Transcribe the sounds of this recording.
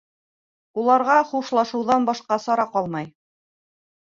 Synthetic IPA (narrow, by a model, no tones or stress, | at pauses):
ulˠɑɾʁɑχuʃlˠɑʃɤ̆wðɑnbɑʃqɑsɑɾɑqɑlˠmɑj